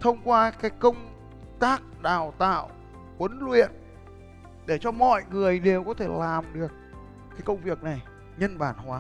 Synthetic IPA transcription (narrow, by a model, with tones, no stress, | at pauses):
t̪ʰə˧wŋ͡mkwaː˧kaː˨˦jkə˧wŋ͡m | t̪aː˦˥k̚ɗaː˨˩wt̪a̰ː˧˨w | kwə˨˦nlwḭ˧˨ən | ɗe˧˩t͡ɕɔ˧mɔ̰˧˨jŋɨ˨˩əjɗe˨˩wkɔ˨˦t̪ʰe˧˩laː˨˩mɗɨ˨˩ək̚ː | aː˨˦jkə˧wŋ͡mvi˨˩ək̚na˨˩j | ɲə˧nɓaː˧˩nhwaː˨˦